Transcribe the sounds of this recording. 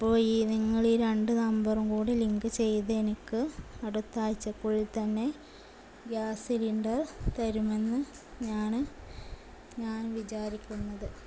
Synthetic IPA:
ipːoːjiːniŋːɐɭiːɾeɳɖɨnɐmbɐrɐmkuːɽiliŋɡɨt͡ɕe̞jðɐenikːɨɐɽut̪ːaːjt͡ɕːɐkːuɭilt̪ɐnːe̞ | ɡjaːsiliɳɖɐrt̪ɐɾume̞nːɨ | ɲaːn | ɲaːnʋit͡ɕaːɾikʲːunːɐðɨ

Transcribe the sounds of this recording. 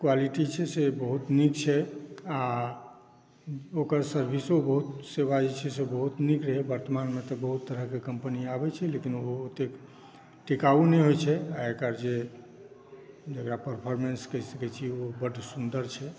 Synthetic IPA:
kwaliʈit͡ʃʰɛsebəɦut̪nikt͡ʃʰɛa | okəɾsəɾbʱisobəɦut̪seβad͡ʒit͡ʃʰɛsebəɦut̪nikɾəɦɛbəɾt̪əmanmet̪ɔbəɦut̪ːəɾəɦkekəmpəniabɛt͡ʃʰɛlekinoɦut̪ːek | ʈikaunɛɦojt͡ʃʰɛaekəɾd͡ʒe | d͡ʒəkɾapəɾpʰɔɾmenskəɦisəkɛt͡ʃʰiobəɖʱsund̪əɾt͡ʃʰɛ

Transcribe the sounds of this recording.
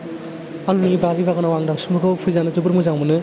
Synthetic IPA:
alunibaɾibaɡɯnawaŋdaŋsumbɯkɯwpʰɯjzanɯd͡ʒubɯɾmɯzaŋmɯnɯ

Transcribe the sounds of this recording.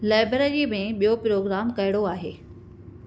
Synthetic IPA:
laːɪbɾeɾiːmẽɓijopɾoːɡɾaːmkɐɦɪɽ̃oaːɦḛː

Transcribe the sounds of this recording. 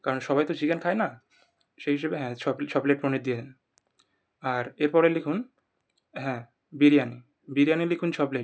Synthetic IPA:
kaɾonʃɔbajt̪od͡ʑiɡankʰajna | ʃeɦiʃabeɦɛ̃t͡ɕʰɔbt͡ɕʰɔbleʈ̚pɾonid̪ijeen | aɾeɾpɔɾelikʰun | ɦɛ̃ | biɾijani | biɾianilikʰunt͡ɕʰɔbleʈ

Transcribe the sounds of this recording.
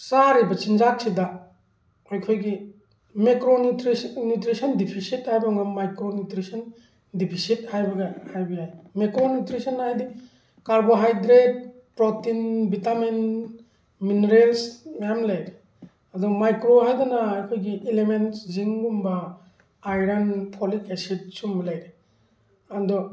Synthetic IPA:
saɾibat͡ʃind͡ʒak̚sida | ajkʰojɡi | mekɾonutɾisnutɾisɔndipʰisit̚hajbaŋamajkɾonutɾisɔn | dipʰisit̚hajbaɡahajbijajmekɾonutɾisɔnhajdi | kaɾboɦajdɾet̚ | pɾɔtinbitamin | mineɾelsmajamlajɾe | adɔmajkɾoɦajdɔnaːkʰojɡiʔelementsziŋɡumbaː | jɾanpʰɔlikesit̚sumlajɾe | andɔ

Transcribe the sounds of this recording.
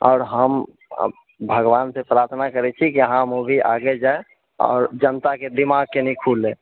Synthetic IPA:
ɔ̰ːɾɦəm̰ | bʱəɡʋaːnsepɾaɾt̪ʰnakəɾɛt͡ʃʰikiəɦãmobʱiʔa̰ɡɛd͡ʒae | ɔ̰ːɾd͡ʒənt̪aked̪imaɡ̚kenikʰulːe

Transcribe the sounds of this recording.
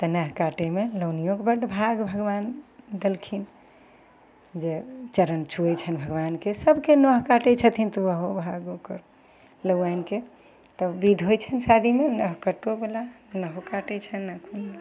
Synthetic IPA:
t̪ənəɦkaʈemeləwnijokebəɖbʱaɡbʱəɡband̪əlkʰin | d͡ʒet͡ʃəɾənt͡ʃʰuɛt͡ʃʰənbʱəɡbankesəbkenəɦkaʈɛt͡ʃʰət̪ʰint̪ɔʋəɦobʱaɡokəɾ | ləɡanke | t̪ɔbid̪ʱɦojt͡ʃʰənsad̪ʱimenəɦkəʈobela | nəɦokaʈɛt͡ʃʰənəkʰun

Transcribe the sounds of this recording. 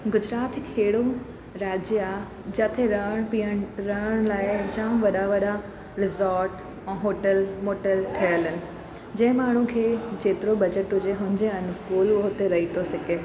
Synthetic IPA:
ɡʊd͡ʑɾaːt̪ɪkɦeːɽo | ɾaːd͡ʑja | d͡ʑɐt̪ʰeɾɐɦəɽ̃pijəɽ̃ɾɐəɽ̃laːɪd͡ʑãːʋɐɗaʋɐɗa | ɾɪzaːɾʈ | ɛ̃ːɦoːʈəlmoːʈəlʈʰɐjəlɪnɪ̆ | d͡ʑɐ̃ɦɪ̃maːɳ̤ũkʰeːd͡ʑeːt̪ɪɾobɐd͡ʑəʈɦʊd͡ʑeɦʊ̃ɪ̃ɲd͡ʑeən̆koːlʋəɦʊt̪eɾɐɦit̪ʰosɪkeː

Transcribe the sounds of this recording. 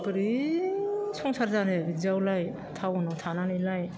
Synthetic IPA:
pɯɾi | sɔŋsaɾzaneizawlaj | tʰawɔnawtʰananɯjlaj

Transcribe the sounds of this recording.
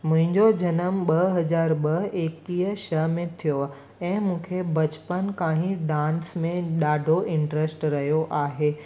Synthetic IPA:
mʊ̃ɦɪ̃ɲd͡ʑod͡ʑɐnəmɓɐɦɦɐzaːɾɓɐɦeːk̚t̪iːɦəʃɐɦmẽt̪ʰijo | ɛ̃ːmũːkʰebɐt͡ɕpənkaːɦĩɖãːnsmẽɗaːɖʱoʔɪ̃ɳʈɾesʈɾɐɦijoʔaːɦeː

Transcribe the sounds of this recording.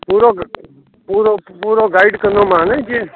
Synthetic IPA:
puːɾoːɡ | puːɾopuːɾoːɡaːɪɖkənoːmãːned͡ʒʰe

